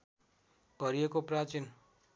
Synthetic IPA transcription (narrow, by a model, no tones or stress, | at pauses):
b̥ʌɾijekoprat͡sin